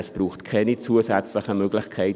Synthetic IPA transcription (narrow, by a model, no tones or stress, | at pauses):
əsb̥ruːxtkʰɛnit͡suːəsɛt͡slɪxəmøːɡlɪçkʰɛɪ